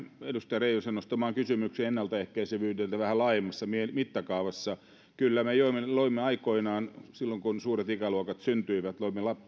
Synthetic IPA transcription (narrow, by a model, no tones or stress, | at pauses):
edust̪ɑjreilusenost̪ɑmɑːŋkysymykseenːælt̪ɑehkæiseʋyːt̪ːelt̪æʋæhælɑːjemːɑsːɑmiemit̪ːɑkɑuʋɑsːɑ | kylːæmejoimːeloimːeɑikoinɑːnsilːoŋkunsuːret̪ikæluokɑt̪synt̪yiʋæt̪loimːelɑp